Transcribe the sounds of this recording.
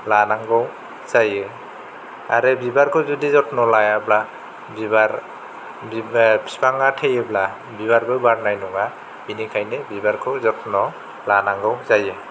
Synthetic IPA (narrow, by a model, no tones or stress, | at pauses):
lanaŋɡɔw | z̥ajɛ | a̰ɹɛbibaɹkʰɔwzɔdizɔtnɔlajabla | biba | spaŋatʰejɛbla | bibaɹɡɔjbaɹnajnɔŋa | inikʰajnɛbibaɹkʰɔwzɔtnɔ | lanaŋɡɔwzajɛ